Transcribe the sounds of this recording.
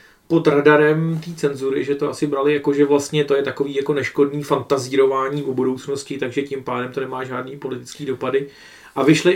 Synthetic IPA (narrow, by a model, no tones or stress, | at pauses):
po̞t̪radaɾɛmt̪iːt͡sɛnzuɾɪʒɛt̪o̞ʔasɪbɾalɪjako̞ʒɛvlast̪ɲɛt̪o̞jɛt̪ako̞viːjako̞nɛʃko̞dniːfant̪aziɾo̞vaːɲiːʔubudo̞wt͡sno̞scɪt̪aɡʒɛcɪmpaːdɛmt̪onɛmaːʒaːdniːpo̞lɪt̪ɪ̥t͡skiːdo̞padɪ | ʔavɪʃlɪ